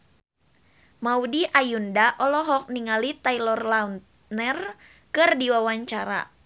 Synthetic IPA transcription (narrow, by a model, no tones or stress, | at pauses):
maudiʔajundaʔɔlɔɦɔk̚niŋalit̪ailɔrlaun | nər | kɨrdiwawaɲt͡ʃaɾa̰